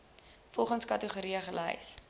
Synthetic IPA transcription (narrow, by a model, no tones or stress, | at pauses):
fɔlˠχənskɐtəχuɾiəχəlɛ̰js